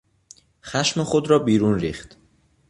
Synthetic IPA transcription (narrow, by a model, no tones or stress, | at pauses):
xæʃmexod̪ɾɒːbiːɾuːnɾiːxt̪